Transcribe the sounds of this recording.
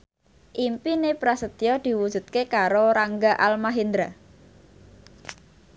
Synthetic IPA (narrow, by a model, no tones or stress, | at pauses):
ʔimpinepɾasət̪jɔd̪̥i̤wud̥ʒ̥ṳt̪̚kekaɾoɾaŋɡaʔalmaɦind̪ɾa